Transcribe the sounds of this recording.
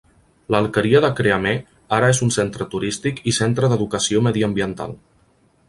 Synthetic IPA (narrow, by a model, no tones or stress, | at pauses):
ləːlˠkəɾiəðəkɾeəme | aɾəezunsent̪ɾət̪uɾist̪ikisent̪ɾəðəðukəsioməðiəmbiənt̪a̰lˠ